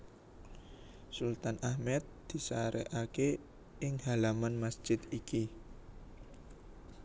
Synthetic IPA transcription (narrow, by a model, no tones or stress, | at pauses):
sult̪anahmɛt̪̚d̪̥i̤saɾɛ̰ʔake | ɪŋhalamanmasd͡ʒ̥ɪd̪iki